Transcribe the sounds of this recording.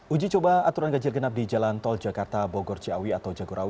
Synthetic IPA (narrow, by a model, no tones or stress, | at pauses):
ʔud͡ʒit͡ʃobaat̪uɾanɡad͡ʒɪrɡənap̚did͡ʒalant̪ɔld͡ʒakart̪abɔɡɔrt͡ʃiawiat̪awd͡ʒaɡuɾʔawi